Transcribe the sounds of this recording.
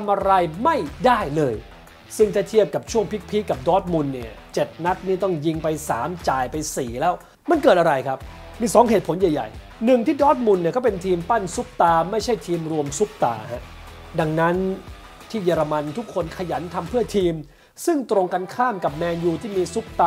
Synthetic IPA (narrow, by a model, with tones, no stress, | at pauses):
a˧mʔa˧ɾa˧jma˥˩jdaː˥˩jlɤː˧j | sɯ˥˩ŋt̪ʰaː˥˩t̪ʰi˥˩əp̚ka˨˩p̚t͡ɕʰu˥˩əŋpʰi˦˥k̚pʰi˦˥ka˨˩p̚dɔː˦˥t̪̚mu˧nːi˥˩ɐt͡ɕe˨˩t̪̚na˦˥t̪̚niː˥˩t̪ɔ˥˩ŋji˧ŋpa˧jsaː˩˦mt͡ɕaː˨˩jpa˧jsiː˨˩lɛː˦˥w | ma˧nkɤː˨˩t̪̚ʔa˧ɾa˧jkʰa˦˥p̚ | miː˧sɔː˩˦ŋɦeː˨˩t̪̚pʰo˩˦njaː˨˩ja̰˨˩j | nɯ˨˩ŋt̪ʰiː˥˩dɔː˦˥t̪̚mu˧nːi˥˩ɐkɔː˥˩pe˧nt̪ʰiː˧mpa˥˩nsu˦˥p̚t̪aː˧ma˥˩jt͡ɕʰa˥˩jt̪ʰiː˧mɾu˧əmsu˦˥k̚t̪a̰ː˧ha˦˥ʔ | da˧ŋna˦˥n | t̪ʰiː˥˩jaː˧ɾa˧ma˧nt̪ʰu˦˥kʰːo˧nkʰa˧ja˩˦nt̪ʰa˧mpʰɯ˥˩ɐt̪ʰiː˧m | sɯ˥˩ŋt̪ɾo˧ŋka˧nkʰaː˥˩mka˨˩p̚mɛː˧njuː˧t̪ʰiː˥˩miː˧su˦˥k̚t̪aː˧